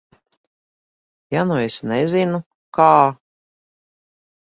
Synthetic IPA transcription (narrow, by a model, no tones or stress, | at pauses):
januesnɛzinu | kaː